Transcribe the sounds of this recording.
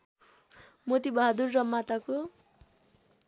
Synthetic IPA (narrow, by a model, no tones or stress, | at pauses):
mot̪ibʌɦad̪urrʌmːat̪ako